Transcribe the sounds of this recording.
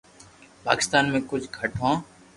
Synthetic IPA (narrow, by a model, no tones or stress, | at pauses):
pa̰ːkɪ̥st̪aːnmẽːkʊd͡ʒʱɡʱəʈʰõː